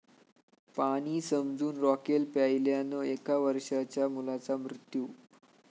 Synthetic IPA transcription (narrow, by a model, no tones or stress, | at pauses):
paɽ̃iːsəmd͡zuːnɾɔkelpjajljanɔekaʋəɾʂat͡ɕjamulat͡samɾut̪juː